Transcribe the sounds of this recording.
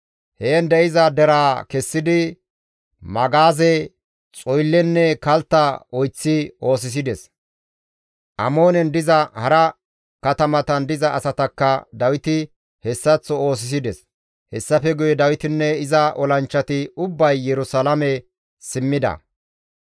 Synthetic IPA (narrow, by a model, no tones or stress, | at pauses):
heːnd̪ɛɪzɐd̪ɛɾaːkɛsːɪd̪ɪ | mɐɡaːzɛ | t͡sʼɔjlːɛnːɛkɐlt̪ːɐɔjt͡sːɪʔo̞ːs̬ɪs̬ɪd̪ɛs | ʔɐmo̞ːnɛnd̪ɪzɐhɐɾɐ | kɐt̪ɐmɐt̪ɐnd̪ɪzɐːsɐt̪ɐkːɐd̪ɐwɪt̪ɪ | hɛsːɐt͡sːɔo̞ːs̬ɪs̬ɪd̪ɛs | hɛsːɐfɛɡʊjɛd̪ɐwɪt̪ɪnːɛɪzɐʔɔlɐnt͡ʃːɐt̪ɪʊbːɐjːɛɾʊsɐlɐmɛ | sɪmːɪd̪ɐ̰